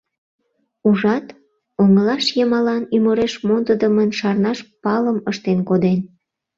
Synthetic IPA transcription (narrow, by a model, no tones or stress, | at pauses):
uʒɑt̪ | oŋəlɑʃjəmɑlɑnymoɾeʃmond̪əd̪əmənʃɑrnɑʃpɑləməʃt̪enkod̪en